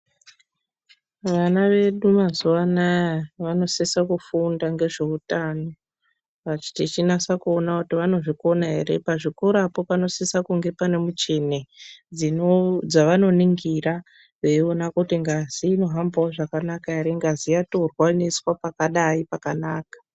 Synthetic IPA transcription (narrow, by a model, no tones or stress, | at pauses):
ʋanaʋe̞ɗumazuwanajaʋano̞sisakufundaŋɡe̞ʐe̞utaːno̞ | ʋat͡ʃi̥tit͡ʃinasakuonakutiʋano̞ʐiko̞naɦe̞re̞̰paʐikoɾapo̞pano̞sisakuŋɡe̞pane̞mut͡ʃe̞ned͡zinod͡zaʋano̞niŋɡira | eionakutiŋɡaziːno̞ɦambawoʐakanakaɦeɾeŋɡazijatorwaniswapakaɗaipakanaːkḁ